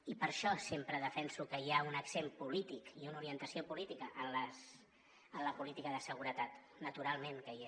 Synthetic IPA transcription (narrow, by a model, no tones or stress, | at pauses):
ipəɾʃɔsempɾəðəfɛnsukəiaunəksempulit̪ikiunuɾiənt̪əsiopulit̪ikəʔənləs | ənləpulit̪ikəðəsəɣ̞uɾət̪at̪ | nət̪uɾalˠmẽŋkəi